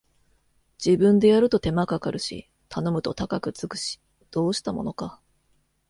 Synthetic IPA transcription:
d͡ʑ̥ibɯ̟̃nd̪e̞jaɾɯ̟t̪o̞t̪e̞makakaɾɯ̟ɕḭ | t̪ʰano̞mɯ̟t̪o̞t̪akakɯ̟t͡sɨkɯ̟̥ɕi̥ | d̪̥o̞ːɕi̥t̪amo̞̰no̞ka

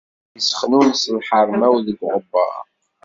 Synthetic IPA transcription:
əsəχnunsəlħəɾˤmæwðəɡʁəbːə̰

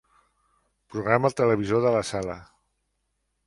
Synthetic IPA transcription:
pɾuɣɾamət̪ələβ̞izoðələsalə

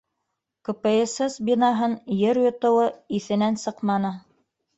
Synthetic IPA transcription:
kŏpɘesesbʲinɑɦɤnjɘɾjŏt̪ŏwɤiθɘ̆nænsɤqmɑnɤ

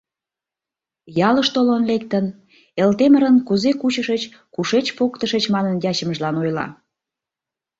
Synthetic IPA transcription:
jɑləʃt̪olonlekt̪ən | elt̪eməɾənkuzekut͡ɕəʃət͡ɕkuʃet͡ɕpokt̪əʃət͡ɕmɑnənjɑt͡ɕəməʒlɑnojlɑ̰

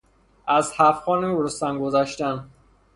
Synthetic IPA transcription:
ʔæzhæfxɒːniɾust̪ænɡozæʃt̪æn

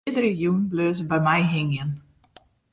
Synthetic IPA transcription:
dəɾəjunbløːzəbɛjmajɦɪŋjən

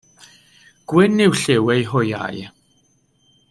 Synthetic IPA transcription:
ɡ̥wɪnɪwɬewɛjɦʊja̰j

